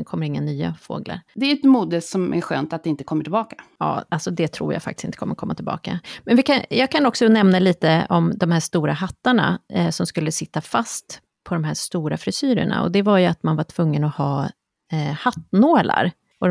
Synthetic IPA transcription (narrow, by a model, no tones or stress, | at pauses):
kʰɔmːəɾɪŋːanyːa̰fo̰ːɡla̰ɾd̪ɛɾɛt̪muːd̪əsɔmæ̰ɾɧø̰ːnt̪at̪̚d̪ɛɪnt̪ə̥kʰɔmːəʈʰɪlbɑːkḁɑ̰ːalsɔd̪ɛt̪ʰɾṵːja̰ːfakt̪ɪ̥sɪnt̪ə̥kʰɔmːəkʰɔmːat̪ʰɪlbɑ̰ːka̰mɛnvɪkʰanjɑːɡ̚kʰanɔksɔnɛmnaliːt̪əɔmd̪ɔmhæːʂt̪uːɾahat̪ːaɳa̰sɔmskɵlːəsɪt̪ːafast̪ | pʰɔd̪ɔmɦæːʂt̪uːɾafɾɪsyːɾə̰ɳa̰ɔ̰d̪ɛvaɾjɵat̪manvaʈʰv̥ɵŋːənɔhɑː | hat̪noːla̰ɾ | ɔ